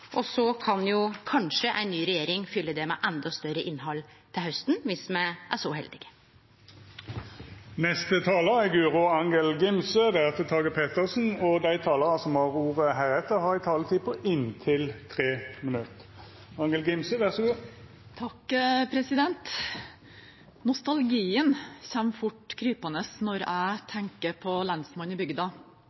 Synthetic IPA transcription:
ʔɔsɔkʰɑnjʊkʰɑnʂəʔæ̰ɪnnːyːɾɛjeːɾɪŋfʏlːəd̪ɛmɛ̰ʔɛnd̪ɑst̪œɾəʔɪnɦɑlːt̪ʰɪlhœst̪n̩ʋɪsmɛʔæʂɔɦɛ̰ld̪ɪɡə | nɛst̪ət̪ʰɑːləʁæɡʉːʁʊɑŋəlɡɪmsəd̪ɛæt̪ət̪ʰɑːɡəpʰeːt̪əʁsn̩ɔd̪æɪt̪ʰɑːləʁɑsɔmhɑʁuːʁəɦæːʁɛt̪ːəʁhɑʁɪt̪ʰɑːlət̪ʰiːpʰɔʔɪnt̪ʰɪlt̪ʰʁeːmɪnʉt̪ | ɑŋɡəlɡɪmsəʋæʁsɔɡuː | t̪ʰɑkpʰɾɛsɪd̪ɛnt̪ | nʊst̪ɑlɡiːənçɛmfʊʈkʰɾyːpɑnəsnɔɾæɪt̪ʰɛŋkəpʰɔlɑnsmɑnɪbʏɡd̪ɑ

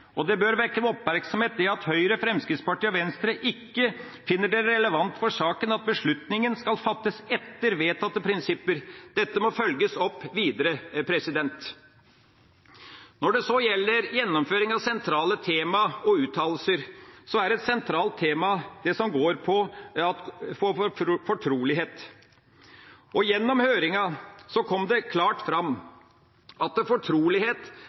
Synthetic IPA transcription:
ɔd̪ɛbœɾʋɛɾkːənɔpmæɾksɔmheːt̪̚ɪɑt̪hœʏɾəfɾɛmskɾɪt̪spɑʈiːɔʋɛnst̪ɾəʔɪkːə | fɪnːəɖɛɾɛləʋɑnt̪fɔʂɑːkənɑt̪̚bəʂɭʉt̪nɪŋənskɑlfɑt̪ːəsɛt̪ːəɾʋeːt̪ʰɑt̪ːəpʰɾɪnsɪpːəɾd̪̥ɛt̪ːəmɔfœlɡəsɔpːʋiːd̪əɾəpʰɾɛsɪd̪ɛnt̪ | nɔɖɛsɔjɛlːəɾjɛnːɔmføːɾɪŋɑʋsɛnt̪ʰɾɑːlət̪ʰeːmɑɔʉːt̪ʰɑːll̩səɾsɔæɾɛt̪sɛnt̪ʰɾɑːlt̪ʰːeːmɑd̪̥ɛsɔmɡoːɾpʰɔɑt̪fɔfɔʈʰɾuːlɪɦeːt̪ | ʔɔjɛnːɔmhøːɾɪŋɑsɔkʰɔmːd̪ɛkʰlɑːʈfɾɑmː | ɑt̪fɔʈʰɾuːlɪheːt̪

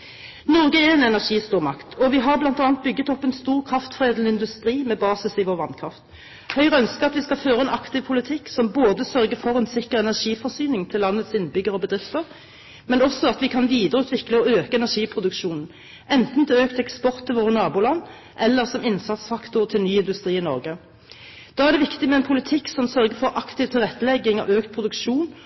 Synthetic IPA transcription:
nɔʁɡəɛɛnɛnæʁʂiːst̪uːʁmɑkt̪ʰɔʋɪɦɑʁblɑnt̪ɑːnt̪̚bʏɡːət̪ɔpːɛnst̪uːʁkʰʁɑft̪fʁeːd̪lnəɪnd̪ʉst̪ʁiːmɛbɑːsɪsɪʋoːʁʋɑnkʰʁɑft̪ | hœʏʁəœnskəɑt̪ʋɪskɑføːʁəɛnʔɑkt̪ɪʋpʰʊlɪt̪ʰɪksɔmboːd̪əsœʁɡəfɔʁɛnsɪkəʁɛnæʁʂiːfɔʁsyːnɪŋt̪ʰɪlːɑnːət̪sɪnbʏɡəʁɔbəd̪ʁɪft̪əʁ | mɛnɔsɔɑt̪ʋɪkʰɑnʋiːd̪əʁəʉːt̪ʋɪkləɔøːkəɛnæʁʂiːpʰʁʊd̪ʉkʂuːnn̩ | ʔɛnt̪n̩t̪ʰɪøːkt̪ɛkspɔʁt̪ʰːɪlʋoːʁənɑːbʊːlɑnː | ʔɛlːəʁsɔmɪnsɑt̪sfɑkt̪ʊʁt̪ʰɪlnyːɪnd̪ʉst̪ʁiːɪnɔ̰ʁɡə | d̪̥ɑːæʁd̪ɛːʋɪkt̪ɪmɛɛnpʰʊlɪt̪ʰɪksɔmsœʁɡəfɔʁʔɑkt̪ɪʋt̪ʰɪlʁɛt̪ːəlɛɡɪŋɑ̰ʔøːkt̪̚pʰʁʊd̪ʉkʃuːn

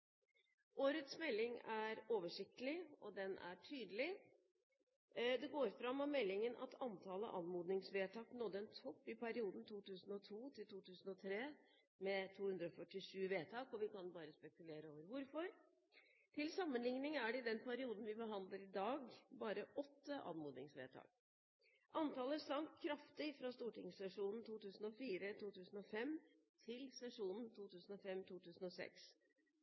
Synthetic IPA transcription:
ʔoːɾət̪smɛlːɪŋæɾoːʋəʂɪkt̪əlɪɔ̰d̪ɛnʔæ̰ʈʰyːd̪əlɪ | d̪ɛɡoːɾfɾɑmːɔmɛlːɪŋənʔɑ̰t̪ʰɑnt̪ʰɑːlə̰ʔɑnmuːd̪nɪŋsʋeːt̪ʰɑːknɔt̪ːəɛnt̪ʰɔpːɪpæɾɪuːd̪n̩t̪ʰuːt̪ʉːsn̩ɔt̪ʰuːt̪ʰɪlt̪ʰuːt̪ʰʉːsn̩ɔt̪ʰɾeː | mɛt̪ʰuːhʉnd̪ɾɔfœʈːɪʂʉːʋeːt̪ʰɑːkɔʋɪkɑnbɑːɾəspɛkʉleːɾəoːʋəɾʋʊɾfɔɾ | t̪ʰɪlsɑmːənlɪŋnɪŋæɖɛd̪ɛnpʰæɾɪuːd̪n̩ʋɪbəɦɑnd̪ləɾɪd̪ɑːɡbɑːɾəʔɔt̪ːəʔɑ̰ːnmuːd̪nɪŋsʋḛːt̪ʰɑ̰ːk̚ | ʔɑnt̪ɑːləsɑŋkkʰɾɑft̪ɪfɾɑst̪uːʈɪŋsːɛʂuːnn̩t̪ʰuːt̪ʉːsn̩ɔfiːɾət̪ʰuːt̪ʰʉːsn̩ɔfɛmː | t̪ʰɪlsɛʂuːnn̩t̪ʰuːt̪ʉːsn̩ɔfɛmːt̪ʰuːt̪ʰʉːsn̩ɔsɛ̰ks

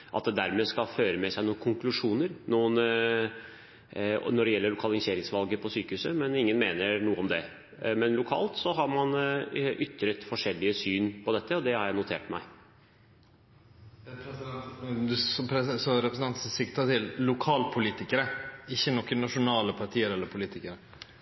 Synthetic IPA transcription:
ʔɑ̰t̪̚d̪ɛd̪æɾmɛːskɑlføːɾəmɛsæɪnuːkʰʊŋklʉʂuːnəɾnuːən | nɔɖɛjɛlːəɭʊkʰɑlɪŋseːɾɪŋsʋɑlɡəpʰɔsyːkəhʉːsəmɛnɪŋːənmeːnəɾnuːəɔmd̪ɛ | mɛnlʊkʰɑ̰ːlt̪sɔɦɑɾmɑnʔʏt̪ːɾət̪fɔʂɛlːɪəsyːnpʰɔd̪ɛt̪ʰːəɔd̪ɛhɑɾjæɪnʊt̪ʰḛːʈmæ̰ɪ | p̪ | sɔpʰɾɛsɔɾɛpɾsn̩t̪ɑnt̪ssɪkt̪ət̪ʰɪllʊkʰɑːlpʰʊliːt̪ɪkəɾəɪçːənɔkːənɑʂʊnɑːləpʰɑʈʰiːəɾɛlːəɾpʰʊliːt̪ɪkəɾə

